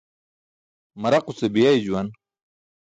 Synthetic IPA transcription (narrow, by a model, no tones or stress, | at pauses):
mɐɾɐqusebijajd͡ʑuwan